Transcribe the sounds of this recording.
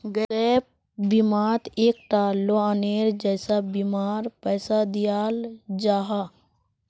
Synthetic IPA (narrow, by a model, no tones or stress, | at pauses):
ɡɛp̚ | bimaːt̪eːk̚ʈaːlːoəneːɾd͡ʒɛːsabimaːɾpɛːsad̪ɪjaːld͡ʒaːɦa